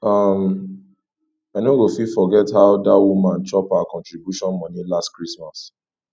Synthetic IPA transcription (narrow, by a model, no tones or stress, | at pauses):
ʌm | aɪnõɡofifɔɡɛthaʊdawumãnt͡ʃɔpaʊakɔ̃ntɹibjuʃɔ̃nmɔ̃nĩlastkɹismas